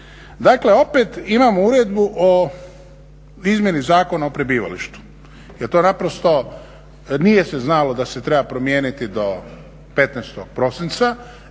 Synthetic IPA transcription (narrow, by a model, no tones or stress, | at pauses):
d̪akle̞o̞pet̪imamouɾed̪buʔo | izmje̞nizaːko̞naopɾebiːʋa̰lḭʃt̪u̥ | jeɾt̪onapɾost̪o̞ | nije̞seznalo̞d̪aset̪ɾe̞bapɾo̞mjeːnit̪id̪o̞ | pe̞t̪nɛst̪oɡ̥̚pɾo̞sint̪sa